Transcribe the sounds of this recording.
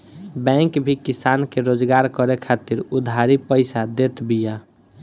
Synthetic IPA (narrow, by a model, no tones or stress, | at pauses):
bɛ̃ŋkbʱikisankeɾod͡ʒɡaɾkəɾekʰat̪iɾud̪ʱaɾipəɪsad̪et̪bija